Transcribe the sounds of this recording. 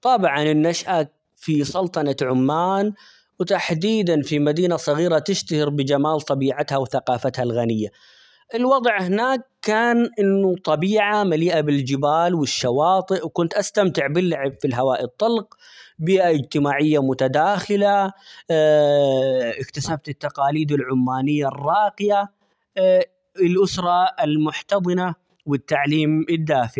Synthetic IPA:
t̪ˤɑbʕɑnɪnːaʃʔa | fisˤɑlt̪ˤɑnaʕʊmːaːn | wt̪aħd̪iːd̪anfimad̪iːnasˤɑɣiːɾat̪ɪʃt̪ahɪɾbɪd͡ʒamaːlt̪ˤɑbiːʕat̪hawθaqɑːfat̪halɣanɪjːa | ʔɪlwɑd̪ˤʕhɪnaːkːaːnʔɪnːut̪ˤɑbiːʕamaliːʔabɪld͡ʒɪbaːlwɪʃːawɑːt̪ˤɨʔwkʊnt̪ʔast̪amt̪ɪʕbɪlːaʕɪbfilɦawaːʔit̪ˤːɑlq̚ | biːʔaʔɪd͡ʒt̪ɪmaːʕɪjːamʊt̪ad̪aːxɪla | ʔɪkt̪asab̚t̪ɪt̪ːaqɑːliːd̪ɪlʕʊmːaːnɪjːarˤːɑːqɪja | ɪlʔʊsɾˤɑɪlmʊħt̪ɑðˤɨna | wɪt̪ːaʕliːmɪd̪ːaːfɪ

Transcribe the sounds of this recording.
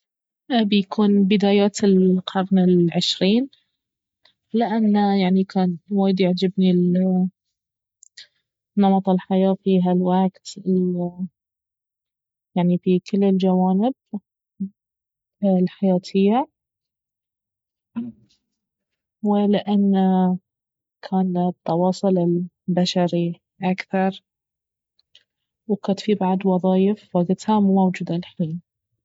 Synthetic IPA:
bjakʰuːnbɪd̪aːjaːt̪ɪlqʰɑɾnɪlʕɪʃɾiːn | lɪʔanːajaʕnikʰaːnwaːjd̪jaʕd͡ʒɪbni | nːɑmɑt̪ˤɑlħajaːfiːɦalwaɡt̪ɪ | jaʕnifikɪlːɪld͡ʒawaːnɪb̚ | lħajaːt̪ʰɪjːa | wɪlɪʔanːa | kʰaːnt̪ˤːɑwɑːsˤʊlɪl | baʃaɾi | ʔakθɑɾˤ | wkat̪fibaʕd̪wɑðˤɑːjɪfwaɡt̪hamumawd͡ʒuːd̪alħiːn

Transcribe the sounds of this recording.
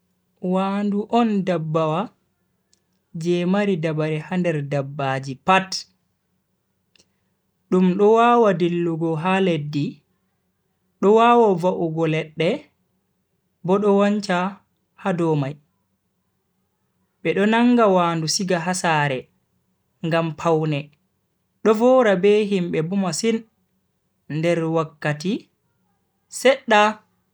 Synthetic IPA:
wanduʔɔndabːawa | d͡ʒɛmaɾidabaɾɛhandɛɾdabːad͡ʒipat | ɗumɗɔwaːwadelːuɡɔɦaledːi | ɗɔwaːwɔvaʔuɡɔlɛɗːɛ | bɔɗɔwaɲt͡ʃa | hadɔmaj | ɓɛɗɔnaŋɡawaːndusiɡaɦasaːɾɛ | ŋɡampʰawnɛ | ɗɔvɔɾabeɦimɓɛbumasin | ndɛɾwakːati | sɛɗːa

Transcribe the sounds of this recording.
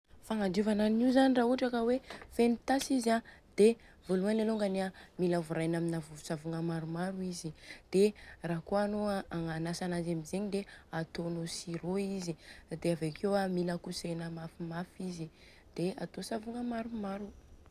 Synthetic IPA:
faŋad̪uvanannizanirauaʈ͡ʂakəwefenit̪asizad̪̥e | voluanaloŋɡaniamilavuɾajnaminavuusavuŋəmaɾumaɾuizid̪̥eraɦkoanoaaŋanasanazamizeɲid̪eat̪onosiɾoizid̪eavekʰewamiləkusenəmafimafizi | d̪̥eat̪osavuŋəmaɾumaɾu

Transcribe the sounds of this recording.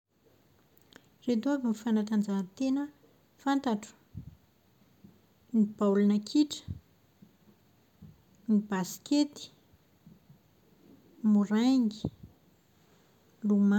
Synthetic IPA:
red̪uavimifanat̪and͡ʒaɦt̪enə | fant̪aʈ͡ʂu̥ | nibaulunakʰiʈ͡ʂə̥ | nibaskʲet̪i̥ | muɾaŋɡi̥ | luma

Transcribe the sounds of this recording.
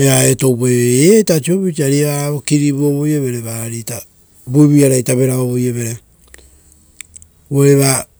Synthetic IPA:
eaeto̞wpeeatat͡ʃioβit͡ʃaɾiβaɾaβokiɾibuoβojoβeɾeβaɾita | buiβiaɾajtaβe̞ɾaoβojeβeɾe | weɾeβa

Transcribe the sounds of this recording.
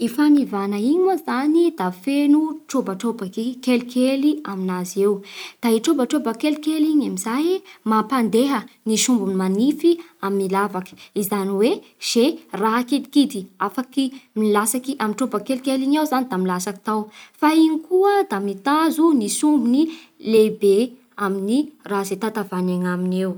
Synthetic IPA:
ifanivanaiɲozanid̪afenuʈ͡ʂobaʈ͡ʂobakikelikʰeliaminaziewd̪̥aiʈ͡ʂobəʈ͡ʂobəkelikeliɲamizajmapand̪eɦəniʃumbunimanifiaminilavakə̥izaniwez̥eraɦakid̪i̥kid̪iafakimilasakiʔamiʈ͡ʂobəkelkeliɲawzanid̪amilasaki̥t̪awfaiɲikuəd̪amit̪azunisumbuni | lebe | aminiraɦzet̪at̪avaneŋaminew

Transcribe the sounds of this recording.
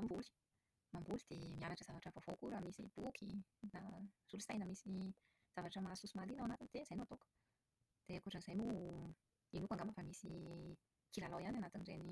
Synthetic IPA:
ambuli̥ | mambulid̪̥emianaʈ͡ʂəzavaʈ͡ʂəvovokuɾamisḭb̥ukʰinaz̥ulusajnəmisi | z̥avaʈ͡ʂəmasusumalinawanat̪ind̪̥ezajnoat̪okə̥ | d̪̥ekuʈ͡ʂənzajmu | inukaŋɡamafamisi | kilalawananat̪inireni

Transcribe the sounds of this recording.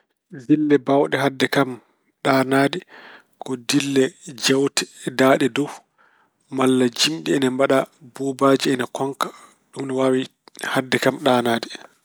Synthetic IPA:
dilːɛbawɗɛɦadːɛkam | ɗaːnaːdi | kɔdilːɛd͡ʒɛwtʰɛ̥daːɗɛdɔw | malːad͡ʒimɗiɛnambaɗabubaːd͡ʒiɛnakɔŋkḁ | ɗumnɛwaːwihadːɛkamɗaːnaːdi

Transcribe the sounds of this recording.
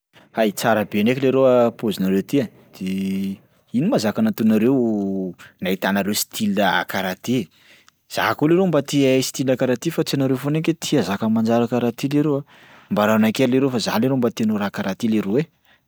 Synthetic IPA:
ait͡saɾəbenekʲileɾoapozinaɾewt̪ia | d̪̥e | inimazakanat̪unaɾew | nait̪anaɾewsi̥t̪ʰiləa̰kaɾat̪i | z̥a̰koleɾombat̪iesi̥t̪ilakaɾat̪ifat͡sianaɾewfoneket̪ʰiazakəmand͡ʒaɾakaɾat̪ileɾea | mbaɾanakelleɾewfaza̰leɾembat̪enoɾakaɾat̪ileɾowe

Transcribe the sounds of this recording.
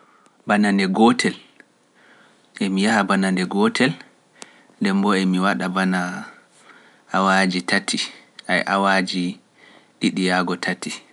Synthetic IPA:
banandɛɡɔtʰɛl | ʔemijahabanandɛɡɔtʰɛl | ndɛmbɔemiwaɗabana | wad͡ʒitatʰːiʔajʔa̰wad͡ʒi | ɗiɗijaɡɔtʰati

